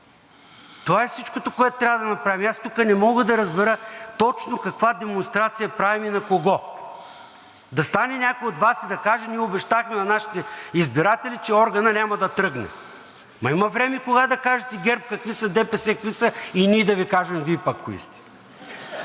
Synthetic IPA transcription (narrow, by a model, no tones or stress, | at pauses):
t̪ovaɛfsit͡ʃkot̪okoɛt̪ot̪ɾʲavəd̪ɐnɐpɾavimast̪ukənɛmɔɡəd̪ɐɾɐzbɛɾət̪ɔt͡ʃnokɐkvad̪ɛmonst̪ɾat̪sijɐpɾaviminɐkoɡɔ | d̪ɐst̪anɛnʲakojot̪vasid̪ɐkaʒɐniɛobɛʃt̪axmɛnɐnaʃi̥t̪ɛizbiɾat̪ɛlʲit͡ʃɛɔɾɡɐnɐnʲamɐd̪ɐt̪ɾɤɡnɛ̰ | mɐimɐvɾɛmɛkoɡad̪ɐkaʒɛt̪ɛɡʲɛɾp̚kɐkvisɐd̪ɛpɛsɛkvisəiniɛd̪ɐvikaʒɛmvipɐkːoḭst̪ɛ̥